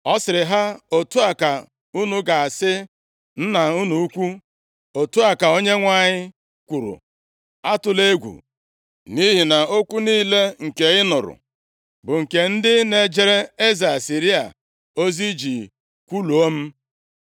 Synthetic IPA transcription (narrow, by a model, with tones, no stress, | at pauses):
ɔ˦sɪ˨ɾɪ˨ɦa˦o˦tu˦a˨ka˨ | u˦nu˦ɡa˨a˨sɪ˦ | n̩˦na˨u˦nu˦u˦kʷu˦ | o˨tu˦a˨ka˨o˦ɲe˦ŋʷa˦˨ɲɪ˦ | kʷu˨ɾṵ˨ | a˦tʊ˨le˦ɡʷṵ˨ | ni˦ɦi˨na˨o˦kʷu˦niː˦le˦ŋ̩˨ke˨ɪ˦nʊ˨ɾʊ̰˨ | bʊ˨ŋ̩˨ke˨n̩˦dɪ˦ne˨d͡ʒe˦ɾe˦e˦za˨a˨si˨ɾi˦a̰˨ | o˦zi˦d͡ʒi˨ | kʷu˦lu˨o˦m̩˦